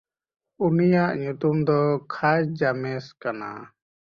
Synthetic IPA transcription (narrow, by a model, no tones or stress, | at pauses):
unijaʔɲut̪umd̪ɔkʰajd͡ʒamɛskana̰